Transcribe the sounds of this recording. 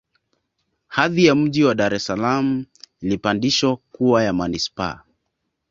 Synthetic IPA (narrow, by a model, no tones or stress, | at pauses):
haðijam̩ʄiwaɗaɾɛsalam̩ilipandiʃɔkuwajamanispa̰